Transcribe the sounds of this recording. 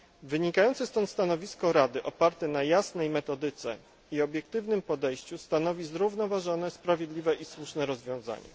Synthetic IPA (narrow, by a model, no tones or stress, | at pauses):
vɘɲikajɔntsɛst̪ɔnt̪st̪anɔvʲiskɔɾad̪ɘʔɔpaɾt̪ɛnajasnɛjmɛt̪ɔd̪ɘt̪sɛ̰ | iɔbʲjɛkt̪ɘvnɘmpɔd̪ɛjɕt͡ɕust̪anɔvʲizɾuvnɔvaʐɔnɛspɾavʲjed̪lʲivɛʔiswuʂnɛɾɔzvʲjɔ̃w̃za̰ɲɛ̰